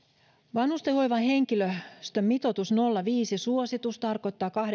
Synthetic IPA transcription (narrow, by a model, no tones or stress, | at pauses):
ʋɑnhust̪ehojʋɑnhe̞ŋkiløst̪ømmit̪o̞t̪usno̞lːɑʋiːsisuosit̪ust̪ɑrko̞jt̪ːɑːkɑh